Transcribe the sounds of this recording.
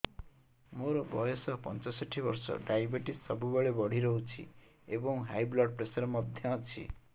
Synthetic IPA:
moɾɔbɔjɔsɔpɔ̰nt͡ʃɔsɔʈʰibɔɾsɔ̰ɖajbiʈisːʌbubaɭebɔɽ̤iɾɔɦut͡ʃʰḭ | ebɔŋɦajblɔʈ̚pɾesɔɾmʌd̪ʱjʌat͡ʃʰḭ

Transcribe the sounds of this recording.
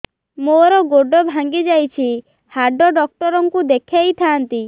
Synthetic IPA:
moɾɔɡoɖɔbʱãŋɡid͡ʒajt͡ʃʰi | haɖɔɖɔk̚ʈɔɾɔŋkud̪ekʰjajt̪ʰaːnt̪i

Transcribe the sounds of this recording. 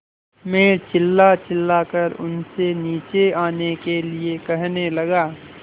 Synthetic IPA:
mẽːt͡ʃɪlːat͡ʃɪlːaːkəɾʊ̰nseniːt͡ʃeaːnekeliekɛɦnelɐɡaː

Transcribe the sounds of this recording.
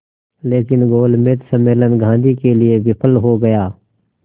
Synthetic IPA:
leːkɪnɡoːlmeːt̪səmeːlənɡʱãːnd̪iːkeːlɪeʋɪpʰəlɦoːɡəjaː

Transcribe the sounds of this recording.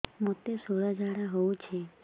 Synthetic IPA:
mot̪esoɭad͡ʒaɽaɦout͡ʃʰe

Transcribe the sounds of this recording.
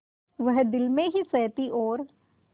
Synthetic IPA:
ʋɐɦd̪ɪlmẽɦisɛːt̪iʔɔːɾ

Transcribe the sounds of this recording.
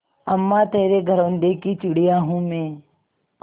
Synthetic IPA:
ɐmːat̪eːɾeɡʱəɾoʊ̃nd̪ekit͡ʃʊɽijaɦũmẽː

